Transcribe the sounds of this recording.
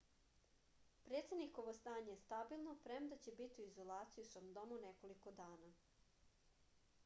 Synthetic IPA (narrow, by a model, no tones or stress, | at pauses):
pɾe̞ːt̪sed̪nikoʋost̪aːɲejest̪abilˠnopɾemd̪at͡ɕebit̪iuizolˠaːt̪sijusɾomd̪o̞muneko̞liko̞d̪aːna